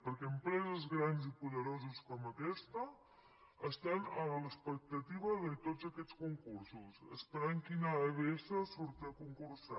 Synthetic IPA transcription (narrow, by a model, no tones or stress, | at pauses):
pəɾkɛəmpɾɛzəzɣɾanzipuðəɾozəskɔməkɛst̪ə | əst̪anəələspək̚t̪ət̪iβəðət̪ozəkɛt͡skuŋkuɾsusə̰spəɾaŋkinaəβesəsuɾt̪əkuŋkuɾsa